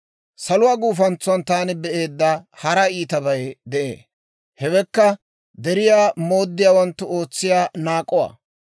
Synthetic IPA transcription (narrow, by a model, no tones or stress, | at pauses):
sɐlʊwaːɡuːfɐnt͡sːʊwɐnt̪aːnɪbɛʔe̞ːd̪ːɐhɐɾɐiːt̪ɐbɐjd̪ɛʔḛː | hɛbɛkːɐ | d̪ɛɾɪjaːmo̞ːd̪ːɪjaːwɐnt̪ːʊo̞ːt͡sːɪjaːnaːkʼːɔwa̰ː